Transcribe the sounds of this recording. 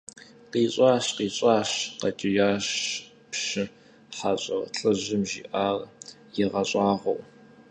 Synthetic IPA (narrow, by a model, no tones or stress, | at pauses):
qiːɕʷʼɑːɕqiːɕʼɑːɕqɐt͡ʃʼɪjaːɕ | pʃɪ | ħaɕʼɐrɬʼɐʑɪmʒḭːʔaːr | jɪʁɐɕʼɑːʁow